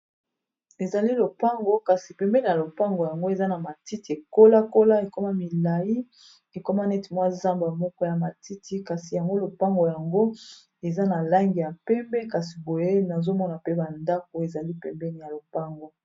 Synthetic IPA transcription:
e˨za˨li˦lo˨pa˦ŋɡo˦ka˨si˨pɛ˨mbɛ˦ni˨ja˨lo˨pa˦ŋɡo˨ja˨ŋɡo˦e˨za˦na˨ma˨ti˦ti˨e˨ko˦la˦ko˦la˦e˨ko˦ma˦mi˨la˨ji˦ | e˨ko˦ma˦nɛ˦ti˨mwa˦i˦za˦mba˨mɔ˦kɔ˦ja˨ma˨ti˦tʰi˦ka˨si˨ja˨ŋɡo˦lo˨pa˦ŋɡo˨ja˨ŋɡo˦ | e˨za˦na˨la˦ŋɡi˨ja˨pɛ˦mbɛ˦ka˨si˨bo˨je˦na˨zo˦mɔ˦na˨pe˦ba˨nda˦k̚o˨e˨za˨li˦pɛ˨mbɛ˦ni˨ja˨lo˨pa˦ŋɡo˨

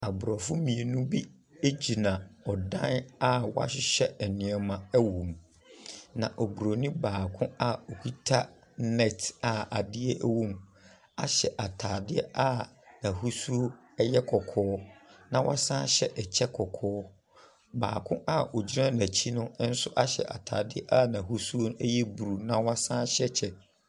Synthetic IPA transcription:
a˨bɾɔ˨fʊ˦mĩ˨e˨nũ˦bi˦ | e˦d͡ʑi˨nã˨ɔ˨dã˦na˦wa̰˦ɕɪ˦ɕɛ˦ɛ˨nɪ̃˨ɛ˨mã˨ɛ˦wũ˨m | nã̰˨ʔɔ˨bɾo˨nĩ˦baː˨kʰʊ̃˦a˦o˨kʰu˦tʰa˦ | nɛ˨tʰa˨a˨dɪ˦ɛ˦ʔæ˦wũ˦m | a̰˨ɕɛ˨ʔa˨tʰaː˨dɪ˦ɛ˦ʔa˦˨ | nã˨hu˦su˦o˦ | jɛ˦kʰɔ˨kʰɔː˨˦nã˨wʔa̰˦sã˦ɕɛ˦ʔɛ˨t͡ɕʰɛ˦kʰɔ˨kʰɔː˦ | ba̰ː˨kʰʊ̃˦ʔa˦o˨d͡ʑi˦ɾã˦nã˨t͡ɕʰi˦nʊ̃˦n̩˦sʊ˦ʔa˦ɕɛ̰˨ʔa̰˨tʰa̰ː˨dɪ˦ɛ˦ʔa˦˨nã˨ɦu˦su˦o˦ñ˦ɛ˦jɛ˦bu˨ɾu˨nã˦wa˦sã˦ɕɛ˦t͡ɕʰɛ˦

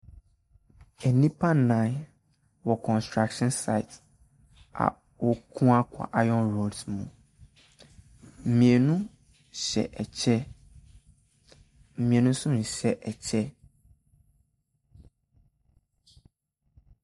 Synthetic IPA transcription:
ɛ˨nĩ˦pʰa˦˨nã˨˦ | wɔ˨kʰɔ̃˨nstɹa˦kʃɔ̃˦nsa˨ɪ˨t | a̰˨ | wɔ˦kʰũ˦a˦kʷʰa̰˨ʔa˦jɔ̃˦nɹo˨dmṵ̃˨ | m̩˨mĩ˨e˨nũ˦ | ɕɛ̰˨ʔɛ˨t͡ɕʰɛ˦ | m̩˨mĩ˨ẽ˨nũ˦sʊ̃˦n̩˨ɕɛ˦ʔɛ˨t͡ɕʰɛ˦

